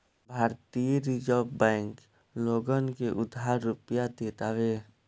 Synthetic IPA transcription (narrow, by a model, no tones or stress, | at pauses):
bʱaːɾt̪ijɾid͡ʒəbɛ̃ːŋk | loːɡənkeʔʊd̪ʱaːɾːʊpjad̪eːt̪aʋeː